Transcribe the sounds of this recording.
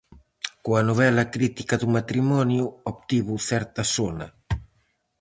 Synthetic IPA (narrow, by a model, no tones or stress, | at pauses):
kuanuvɛlakɾit̪ikaðumat̪ɾimɔnjuɔp̚t̪iβufɛɾt̪asɔna